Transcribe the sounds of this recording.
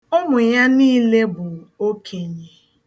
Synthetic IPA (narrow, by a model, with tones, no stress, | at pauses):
ʊ˦mʊ˨ja˦niː˦le˦bʊ˨ŋ̩˨o˦kʰe˨ɲi˦